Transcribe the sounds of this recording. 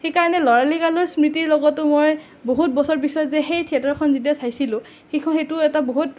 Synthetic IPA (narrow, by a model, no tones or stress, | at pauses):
xejkaɹɔnɛlɔɹalikalɔɹsmɹitiɹlɔɡɔtʊmoj | boɦut̚bɔsɔɹpisɔjɔzɛxejtʰiatɔɹkʰɔnzitiasajsilʊ̃ | xekʰɔnxejtʊɛtaboɦut̚